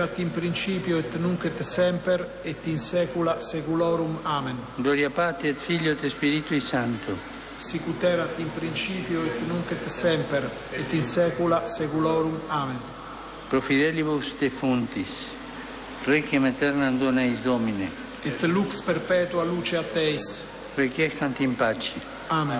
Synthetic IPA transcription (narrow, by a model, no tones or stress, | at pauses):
at̪impɾint͡ʃiːpjoet̪nuŋket̪sɛmpeɾ | et̪ːinsɛːkulasekulɔːɾumaːmenɡlɔɾjapat̪eɛt̪fiʎjot̪espiɾit̪uisant̪o | sikut̪ɛɾat̪impɾint͡ʃiːpjoet̪nuŋket̪sɛmpeɾ | et̪ːinsɛːkulasekulɔɾumaːmen | pɾofiðɛliβusd̪efunt̪is | rekemat̪ɛɾnand̪onaizd̪ɔmine | et̪ːlukspɛɾpɛːt̪ualuːt͡ʃeat̪ːɛjs | rekjɛskant̪impat͡ʃi | amen